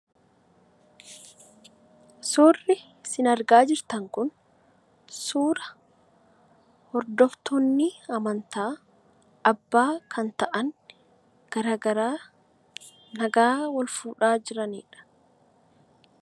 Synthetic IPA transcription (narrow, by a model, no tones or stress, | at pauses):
suːrːɪ | sɪnɐɾɡaːd͡ʒɪɾt̪ɐŋkʊn | suːɾɐ | hɔɾd̪ɔft̪ɔnːɪɐmɐnt̪aː | ɐbːaːkʰɐnt̪ɐʔɐn | ɡ̥ɐɾaːɡɐɾaː | nɐɡaːwɐlfuːᶑaːd͡ʒɪɾɐnḭːᶑɐ̥